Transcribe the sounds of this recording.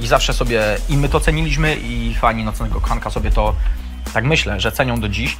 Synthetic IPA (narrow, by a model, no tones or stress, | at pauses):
izafʂɛsɔbʲjɛimɘt̪ɔt̪sɛɲilʲiɕmɘʔifaɲinɔt̪snɛɡɔkɔxankasɔbʲjɛt̪ɔ | t̪akmɘɕlɛʐɛt̪sɛɲɔ̃w̃d̪ɔd͡ʑiɕ